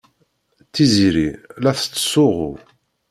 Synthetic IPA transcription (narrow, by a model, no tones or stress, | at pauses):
t͡sːiziɾilæθt͡sːə̥sʊʁʊ̰